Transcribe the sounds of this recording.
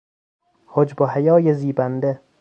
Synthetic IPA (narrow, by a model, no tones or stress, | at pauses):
hod͡ʒboɦæjɒːjeziːbænd̪e